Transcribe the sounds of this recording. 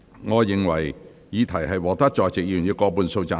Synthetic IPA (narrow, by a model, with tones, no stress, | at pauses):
ŋɔː˨˧jɪ˨ŋwɐ˨˩j | jiː˨˧t̪ʰɐ˨˩jɦɐ˨jwɔː˨˩t̪ɐ˥k̚t͡ʃɔː˨jt͡sɪ˨k̚jyː˨˩njiː˨˧kɔː˧puː˨˧nso˧wt͡saː˨˥